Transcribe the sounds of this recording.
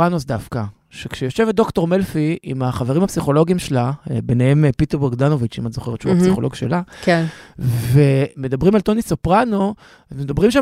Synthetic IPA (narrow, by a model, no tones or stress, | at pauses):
anosd̪afka | ʃekʃejo̞ʃe̞vet̚d̪o̞kto̞ʁmelfiimaχaveʁimhapsiχo̞lo̞ɡimʃelabenehe̞mpiteʁbeʁɡd̪ano̞vit͡ʃimatzo̞χeʁetːʃuasiχoloɡʃḛlakenve̞me̞d̪abʁimalt̪o̞nisopʁano̞ | zmed̪abʁimʃa